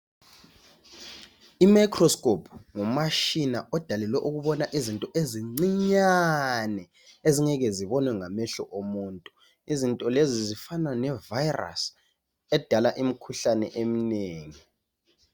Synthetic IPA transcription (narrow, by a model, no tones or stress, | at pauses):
imajkʰʼrɔskʼopʰŋumaʃinaʔɔd̥ʱalɛlwɛʔuɣuβɔnaʔizintʼɔʔeziŋ͡ǀiɲanɛ | eziŋɛɣɛziβɔnwɛŋamɛɬɔʔomuːntʼu | izintʼɔlezizifananɛvajra̰s | ɛd̥ʱalaʔim̩kʰuɬanɛ̰ʔem̩neːŋi